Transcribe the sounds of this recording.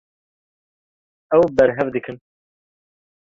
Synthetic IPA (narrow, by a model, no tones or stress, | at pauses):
ɛwbɛɾɦɛvd̪ɨkʰɨn